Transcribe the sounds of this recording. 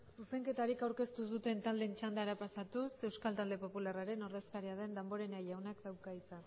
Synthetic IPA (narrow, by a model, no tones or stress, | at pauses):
suse̞ŋke̞t̪aɾikawɾke̞st̪us̬ut̪e̞nt̪ald̪ent͡ʃand̪eaɾapasat̪use̞wskalt̪ald̪e̞po̞pularaɾe̞no̞ɾðe̞skaɾiað̞e̞nd̪embo̞ɾe̞najawnakd̪awkait͡san